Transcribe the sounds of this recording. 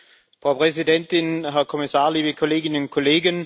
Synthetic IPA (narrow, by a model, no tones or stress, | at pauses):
fʁaʊpʰʁɛs̬idɛntɪnɦæɐkʰomisaɐliːbəkʰoleːɡɪnʊnkʰoleːɡən